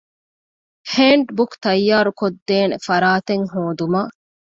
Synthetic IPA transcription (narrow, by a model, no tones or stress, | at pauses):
heːɳɖbukt̪ɐjːaːɾukod̪ːeːnefɐɾaːt̪eŋɦoːd̪umɐ